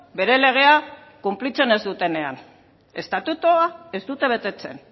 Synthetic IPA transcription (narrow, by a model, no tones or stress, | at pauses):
be̞ɾe̞le̞ɣ̞e̞a | kumplit͡se̞ne̞zd̪ut̪e̞ne̞a̰n | e̞st̪at̪ut̪oae̞zd̪ut̪e̞β̞e̞t̪e̞t͡se̞̰n